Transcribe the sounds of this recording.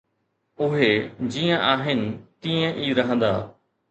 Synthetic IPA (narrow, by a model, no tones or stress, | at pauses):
ʊɦed͡ʑiːə̃ʔaːɦɪnɪ̆t̪iːə̃ʔiːɾɐɦə̃nd̪a̰ː